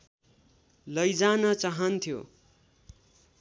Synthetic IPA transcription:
lʌjd͡zanʌt͡saɦʌnt̪ʰjo̰

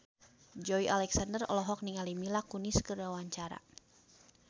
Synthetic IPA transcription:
d͡ʒɔiʔalɛksandərɔ̰lɔɦɔk̚niŋalimilakuniskərawaɲt͡ʃaɾa̰

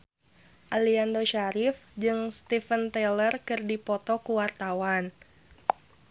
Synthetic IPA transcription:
ʔaliandoʃaɾifd͡ʒɨŋst̪ifənt̪elərkɨrdipɔt̪ɔkuwart̪awan

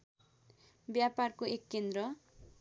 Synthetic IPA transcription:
bjaparkoekːend̪rʌ

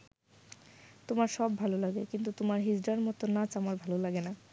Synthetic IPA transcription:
t̪omaɾʃɔbːʱalolaɡekint̪ut̪omaɾɦid͡ʑɖaɾmɔt̪onat͡ɕamaɾbʱalolaɡena

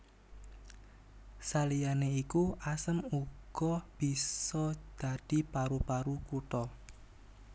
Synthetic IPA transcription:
salijaneikuʔasəmuɡ̥ɔb̥i̤sɔd̪̥a̤d̪̥i̤paɾupaɾukuʈɔ

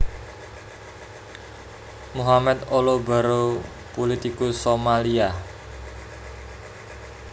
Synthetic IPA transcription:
muɦamɛt̪oloba̤ɾo | polit̪ikusomalia

